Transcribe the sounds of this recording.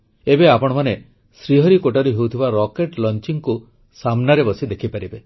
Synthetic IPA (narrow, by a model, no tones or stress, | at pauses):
ebeapɔɽ̃ɔmane | sɾiɦɔɾikoʈaɾiɦewt̪ʰibaɾɔkeʈlɔnt͡ʃiŋku | samnaɾebɔsid̪ekʰipaɾibe